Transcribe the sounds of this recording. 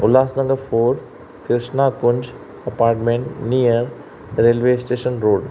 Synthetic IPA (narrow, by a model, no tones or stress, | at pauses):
ʊlaːsnɐ̃ŋɡɐfoːɾ | kɾɪʂɳaːkʊɲd͡ʒ | ɐpaːɾʈmẽɳʈnijɐɾ | ɾeːlʋeːsʈeːʃənɾoːɖ